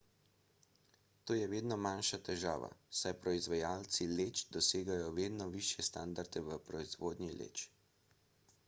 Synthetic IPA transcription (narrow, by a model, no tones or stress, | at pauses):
t̪oːjɛʋeːd̪nɔmanʃat̪ɛʒa̰ːʋa̰sajpɾɔizʋajaːlt̪sileːt͡ʃd̪ɔseːɡajɔʋeːd̪nɔʋiʃjɛst̪and̪aɾd̪ɛʋəpɾɔizʋoːd̪nʲilḛːt͡ʃ